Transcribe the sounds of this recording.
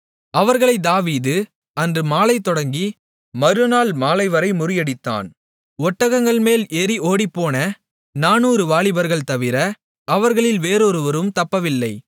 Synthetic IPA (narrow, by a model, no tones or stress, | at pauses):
ɐʋɐɾɣɐɭɐɪd̪aːʋiːðɯ | ɐndrɯmaːlɐɪt̪ːɔɽɐŋɡi | mɐɾɯnaːɭmaːlɐɪʋɐɾɐɪmʊɾɪjɐɽɪt̪ːa̰ːn | ɔʈːɐɣɐŋɡɐɭmeːlɛɾiʔoːɽipːoːnɐ | naːnuːɾɯʋaːɭɪbɐɾɣɐɭt̪ɐʋɪɾɐ | ɐʋɐɾɣɐɭɪlʋeːɾoɾɯʋɐɾɯmt̪ɐpːɐʋɪlːɐɪ